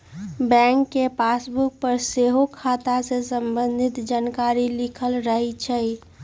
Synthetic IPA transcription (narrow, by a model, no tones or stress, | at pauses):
bɛ̃ŋkːepasbuk̚pəɾseɦokʰat̪asesəmbənd̪ʱit̪d͡ʒankaɾilikʰəlɾəɦɛt͡ʃʰə